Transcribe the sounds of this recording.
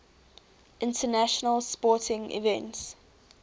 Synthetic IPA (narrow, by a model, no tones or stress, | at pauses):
ʔɪ̃ntʰənaʃənəlspɔˑtɪ̃ŋḭvɛ̃nts